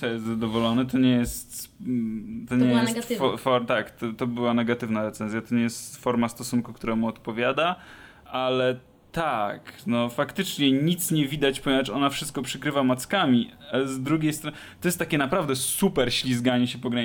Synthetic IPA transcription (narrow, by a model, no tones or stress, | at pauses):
sɔjɛst̪zad̪ɔvɔlɔnɛt̪ɔɲɛjɛst̪ | t̪ɔɲɛjɛst̪fɔfɔt̪akt̪ɔt̪ɔbɘwanɛɡat̪ɘvnaɾɛt̪sɛnzʲjat̪ɔɲɛjɛst̪fɔɾmast̪ɔsunkukt̪uɾamuɔt̪pɔvʲjad̪a | ʔalɛ | t̪aknɔfakt̪ɘt͡ʂɲɛɲit̪sɲɛvʲid̪at͡ɕpaẽat͡ʂɔnafʂɘst̪̚kɔpʂɘkɾɘvamat̪skamʲiaɛzd̪ɾuɡʲejst̪ɾɔt̪ɔjɛst̪ːakʲɛnapɾavd̪ɛsupɛɾɕlʲizɡaɲɛɕɛpɔɡɾaɲ